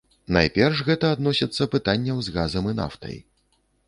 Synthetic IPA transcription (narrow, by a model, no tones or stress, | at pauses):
na̰jpʲɛrʂɣɛt̪ɐːd̪nɔsʲit̪sːɐpɨt̪anʲːɐwzɣazɐmɨna̰ft̪ɐ̰j